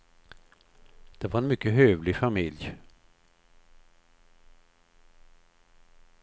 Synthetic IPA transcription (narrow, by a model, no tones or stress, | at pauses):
d̪̥ɛvaɾɛnmʏkːəɦøːvlɪfamɪlj